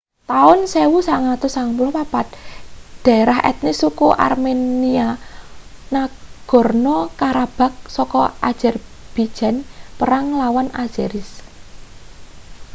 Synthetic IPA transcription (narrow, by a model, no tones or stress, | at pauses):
t̪aʊnsewusaŋat̪ʊsaŋmulɔpapat̪̚d̥a̤ɾahɛ̰t̪̚nisukuʔa̰rmenia | naɡ̥ɔ̤rnɔkaɾab̥a̤k̚sɔkɔʔad̥ʒ̥a̤rb̥id̥ʒ̥a̤npəɾaŋlawanḁd͡ʒ̥aɾɪs